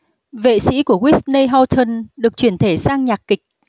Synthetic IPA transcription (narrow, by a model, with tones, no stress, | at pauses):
vḛ˧˨sḭ˧˥ku˧˩əkwi˦˥st̚nə˧jɦɔ˧wt̪ʰə˧nɗɨ˨˩ək̚t͡ɕwi˧˩ənt̪ʰe˧˩saː˧ŋɲaː˨˩k̚kï˨˩k̟̚